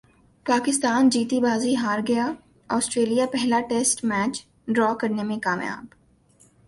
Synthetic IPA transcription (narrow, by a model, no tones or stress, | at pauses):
paːkɪst̪aːnd͡ʒiːt̪ibaːziɦaːɾɡɐja | ɔːsʈɾeːlijapɛɦlaʈeːsʈmɛːt͡ʃ | ɖɾɔːkɐɾnemẽkaːmja̰ːb